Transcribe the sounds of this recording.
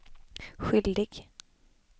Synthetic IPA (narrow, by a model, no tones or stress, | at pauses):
ɧʏld̪ɪɡ̥